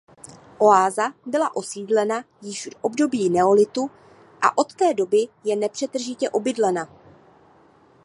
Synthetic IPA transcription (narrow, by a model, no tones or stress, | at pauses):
ʔo̞aːzabɪlaʔo̞siːdlɛna | jɪʃdʔo̞bdo̞biːnɛo̞lɪt̪u | ʔa̰ʔo̞t̪ːɛːdo̞bɪjɛnɛpr̥ɛt̪r̩ʒɪcɛʔo̞bɪdlɛna